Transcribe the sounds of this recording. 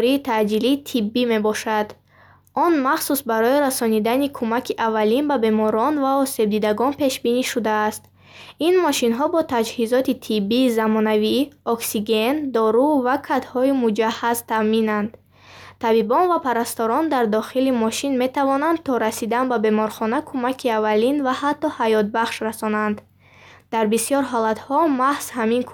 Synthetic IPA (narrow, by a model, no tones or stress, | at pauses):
ɾiːt̪ʰad͡ʒiliːt̪ʰibːime̞bɔʃad̪̥ | ɔnmaχsusbaɾɔiɾasɔnid̪anikʰumakʰiʔavːalinbabe̞mɔɾɔnvaɔse̞b̚d̪id̪aɡɔnpe̞ʃbiniʃud̪aːst̪ | inmɔʃinɦɔbɔt̪ʰad͡ʒhizɔt̪it̪ʰibːiːzamɔnaviɔksiɡe̞nd̪ɔɾuvakʰat̪hɔimud͡ʒahazt̪ʰaminand̪ | t̪ʰabibɔnvapʰaɾast̪ɔɾɔnd̪aɾd̪ɔχilimɔʃinme̞t̪avɔnand̪̚t̪ʰɔɾasid̪anbabe̞mɔɾχɔnakʰumakʰiavalinvahat̪ʰːɔhajɔt̪̚baχʃɾasɔnand̪̥ː | aɾbisijɔɾɦɔlat̪hɔmahz̥haminkʰ